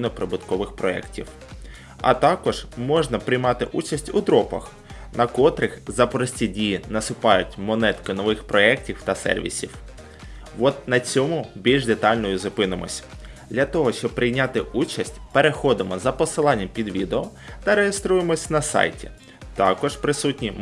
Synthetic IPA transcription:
ijnɔpɾɪbʊt̪kɔʋɪxpɾɔɛ̰ktʲiw | ɐ̰t̪ɑkɔʒ̥mɔʒnɐpɾɪjmɑt̪ɪʔut͡ʃɐsʲtʲud̪ɾɔpɐ̰x | nɐkɔt̪ɾɪxzɐpɔɾɔsʲtʲidʲijinɐsʊpɑjʊtʲmɔnɛt̪kɔnɔʋɪxpɾɔɛk̚tʲiwt̪ɐsɛ̰rʋʲḭsʲiw | ʋɔt̪̚nɐt͡sʲɔmʊbʲilʲʒd̪et̪ɑlʲnɔjʊzʊpɪnɪmɔ̰sʲ | d̪ʲlʲɐt̪ɔɦɔʃt͡ʃɔb̚pɾɪjnʲat̪ɪut͡ʃɐsʲtʲpe̞ɾexɔd̪ɪmɔzɐpɔsɪlˠɑnʲːɐmpʲid̪ʋʲid̪eɔt̪ɐɾejest̪ɾujemɔsʲnɐsɑ̰jtʲḭ | t̪ɑkɔʒpɾɪsutʲnʲi

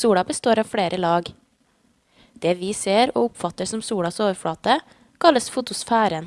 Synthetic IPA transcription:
uːɽɑbəst̪oːɾɑːfɽeːɾʔəlɑːɡ | d̪̥eːʋiːseːɾo̰ːʊpfɑt̪əsɔmsuːɽɑsoːʋəɾfɽɑːt̪ə | kʰɑləsfʊt̪ʊsfæːɾən

